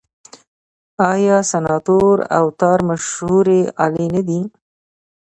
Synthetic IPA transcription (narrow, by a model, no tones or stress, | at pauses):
ɑjɑsanɑt̪oɾa̰wt̪ɑɾmaʃhuɾeɑlenad̪i